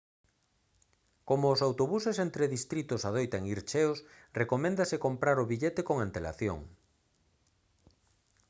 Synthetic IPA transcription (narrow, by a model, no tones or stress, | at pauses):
komoːsawt̪oβusesent̪ɾeðist̪ɾit̪ʊsaðojt̪aeŋiɾt͡ʃeos | rekomẽnd̪asekompɾaɾʊβiʎet̪ekoŋant̪ela̰θjo̰ŋ